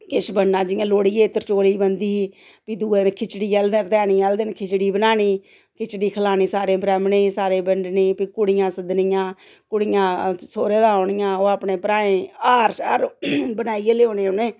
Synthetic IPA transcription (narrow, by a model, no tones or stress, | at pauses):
kɪʃbənnãːd͡ʒɪjãːloːɽiːeːɪt̪ːəɾt͡ʃoːliːbənd̪iː | piːd̪uːeːnkʰɪt͡ʃɽiːɛːld̪et̪ɛːniːɛːld̪ɪnkʰɪt͡ʃɽiːbənaːniː | kʰɪt͡ʃɽiːkʰəlaːniːsaːɾẽːbɾɛːmɳeːsaːɾeːbəɳɖnẽːpiːkʊɽɪjãːsəd̪nɪjãː | kʊɽɪjãːsoːɾeːd̪ãːoːɳɪjãːoːaːpɳeːpɾaːẽːaːɾaːɾbənaːieːleoːnẽːoneː